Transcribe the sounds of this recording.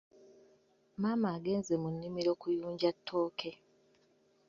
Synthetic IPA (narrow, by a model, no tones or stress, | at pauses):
maːmaːɡe̞ːnze̞munːimiɾo̞ːkujuːɲɟatʰːo̞ːkʰe̞